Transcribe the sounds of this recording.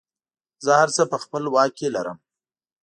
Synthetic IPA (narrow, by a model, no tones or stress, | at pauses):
zəhaɾt͡səpəxpəlwɑkːelaɾə̰m